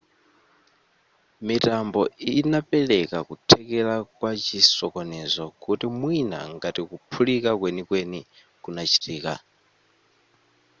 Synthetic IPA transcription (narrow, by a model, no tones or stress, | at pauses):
mitambɔinapɛlɛkakutʰɛkɛlakwat͡ʃisɔkɔnɛzɔkutimwina̰ŋɡatikupʰulikakwenikweni | kunat͡ʃʰi̥tiːka